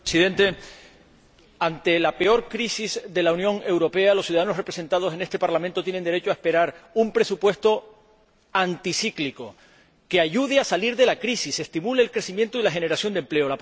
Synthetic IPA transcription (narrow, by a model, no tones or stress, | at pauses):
siðẽ̞nt̪e̞ | ant̪e̞lape̞o̞ɾkɾisizðe̞launjõ̞ŋe̞wɾo̞pe̞alosjuðaðano̞sre̞pɾe̞se̞nt̪að̞o̞se̞ne̞st̪epaɾlamẽnt̪o̞t̪je̞nend̪e̞ɾe̞t͡ʃoaespe̞ɾaɾumpɾe̞supwe̞st̪o̞ | ant̪isikliko̞ | ke̞aʝuðeasaliɾðe̞lakɾisise̞st̪imuleːlkɾe̞simjẽ̞nt̪oilaxe̞ne̞ɾasjo̞nd̪emple̞o̞la